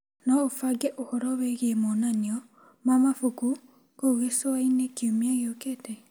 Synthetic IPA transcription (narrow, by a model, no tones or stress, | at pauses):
nɔofaɡɛʔohɔɾɔweɣemɔnaniɔ | mamafuku | koɣesoainekiomiaɣeokeːtɛ